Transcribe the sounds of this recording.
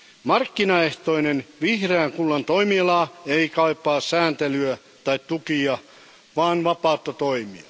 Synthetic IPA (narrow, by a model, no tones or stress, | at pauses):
mɑrkːinɑeht̪oinenʋihreæŋkulːɑnt̪oimielɑːeikɑipːˑɑːssæːnt̪elyæ | t̪ɑit̪t̪ukiɑ | ʋɑːnʋɑpɑˑut̪ːɑt̪oimiɑ